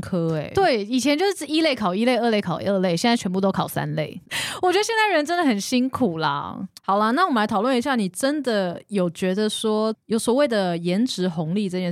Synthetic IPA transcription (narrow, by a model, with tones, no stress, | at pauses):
kʰɤ˥e˨˩ɪt̪we˥˩ɪi˨˩t͡ɕʰjɛ˧˦t͡ɕo˥˧ʊʂ̩˥ʈ͡ʂɻ̩˥˩i˥le˥˩ɪkʰɑ˨˩ʊi˥le˥˧ɪə˥˧le˥˩ɪkʰɑ˨˩ʊə˥˧le˥˩ɪɕjɛ˥˧na˥˩t͡ɕʰɛ˧˥p̬u˥˧t̪o˥ʊkʰɑ˨˩ʊsa̰˦nle˥˩ɪwɔ˨˩t͡ɕɥɛ˧˥ə˧ɕjɛ˥˧na˥˩ɻə˧˥nʈ͡ʂə˥nd̪ə˨˩xə˨˩nɕi˥ŋkʰu˨˩lɐ̰˦hɑ˨˩ʊlɐ˦na˥˩wɔ˨˩mə˦la˧˥t̪ʰɑ˨˩ʊwə˥˩ni˧˥ɕja˥˩ni˨˩ʈ͡ʂə˥nd̪ə˨jo˨˩ʊt͡ɕɥɛ˧˥d̪ə˨ʂwɔ˥jo˨˧˥ʊswɔ˨˩˦we˥˩ɪd̪ə˩jɛ˧˥nʈ͡ʂɻ̩˧˥xʊ˧˦ŋli˥˧˩ʈ͡ʂə˥˧˩ɛ˥